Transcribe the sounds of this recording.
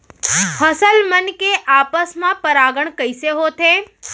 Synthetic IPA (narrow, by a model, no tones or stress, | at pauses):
həsəlmənkeʔaːpəsmãpəɾaːɡəɳkəɪseɦot̪ʰe